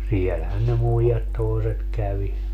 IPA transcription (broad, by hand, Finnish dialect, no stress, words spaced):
sielhæn ne muijɑt toeset kæʋi